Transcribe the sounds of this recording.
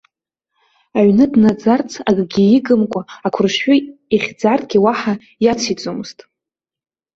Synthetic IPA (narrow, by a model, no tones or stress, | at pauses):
aɥnɨdnad͡zart͡sʰaɡʼɡʲiiɡɨmkʷʼaːkʷʰʊrʃħʏiχʲd͡zartʼɡʲiwaħa | jat͡sʰit͡sʼomɨz̥tʼ